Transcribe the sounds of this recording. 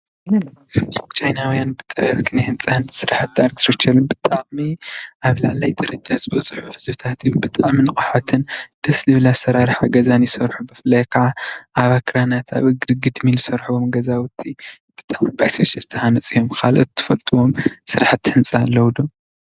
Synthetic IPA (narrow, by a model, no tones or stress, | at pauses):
t͡ʃʰajnawjanbɨt̪ʼɐbɐβk̪ʰinahɨnt͡sʼansɨɾaħat̪̚ːaɾkt̪ɾɐt͡ʃʰɐlɨnbɨt̪ʼaʕmiʔaβlaʕlajd̪ʼɐɾɐd͡ʒʼazɨbɐt͡sʼɨħuħɨzbt̪ʰat̪bɨt̪ʼaʕminɨkʼaħat̪ʰɨnd̪̥ɐslɨβlasɐɾaɾɨħaɡɐzanjɪsɐɾħubɨflajkʰaʕaʔaβakʰɾanat̪ʰa̰βɨɡɡɨd̪milɨsɐɾħuomɡɐzawɨt̪ʰːi | b̥ɨt̪ʼaʕmibasɐt͡ʃɐt̪ʰɨhanɐt͡sʼijo̞mkʰalot̪ʰːɨ̥fɐlt̪ʰɨwo̞msɨɾaħat̪ːhɨnt͡sʼalːɐwd̪om